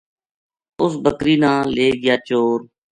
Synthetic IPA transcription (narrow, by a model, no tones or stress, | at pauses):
ʊsbəkɾiːnãːleːɡɪjaːt͡ʃoːɾ